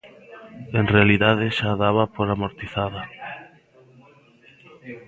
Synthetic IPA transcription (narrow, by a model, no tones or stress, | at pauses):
enrealiðaðeʃaðaβapoɾamoɾt̪iθaða